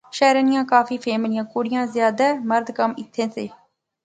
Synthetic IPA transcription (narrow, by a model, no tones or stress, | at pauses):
ʃaːɾnɪjãːkaːfiːpʰeːmlɪjãːkoːɽɪjãːzjaːd̪aːməɾd̪kəmɪt̪ʰːẽːseː